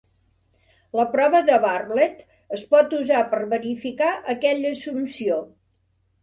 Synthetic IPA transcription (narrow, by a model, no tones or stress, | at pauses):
ləpɾɔβəðəβarlɛt̪ | əspɔt̪uzapərβəɾifikaʔəkɛʎəsumsio